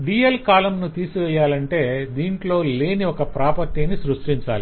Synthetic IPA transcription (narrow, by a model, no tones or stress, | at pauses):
ɖiːjɐlkaːlɐmnut̪iːsuʋɛjːaːlɐɳʈe̞ːd̪iːɳʈlo̞ːle̞ːniɔkɐpɾaːpɐɾt̪inisɾuʂʈiɲt͡ʃa̰ːli